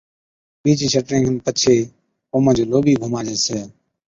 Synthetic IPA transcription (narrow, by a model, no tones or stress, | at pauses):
ɓiːt͡ʃːt͡ʃʰəʈɾẽːɡənpət͡ʃʰeː | oːmə̃ːd͡ʒoːloːɓiːɡʱʊmaːd͡ʒeːseː